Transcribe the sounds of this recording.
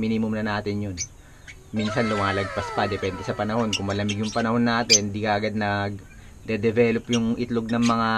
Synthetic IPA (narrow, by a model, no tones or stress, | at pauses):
miːnɪmʊmnɐnaːt̪ɪnjon | miːnsɐnlʊmaːlɐɡ̚pɐspɐd̪ɛpɛnd̪ɛsɐpɐnɐho̞nkʊŋmɐlɐmɪɡjʊŋpɐnɐho̞nːaːt̪ɛnɪnd̪iːkɐʔɐɡad̪̚nɐɡ | d̪ɛd̪ɛvɛːlopjʊŋʔɪt̪loɡ̚nɐŋmɐŋa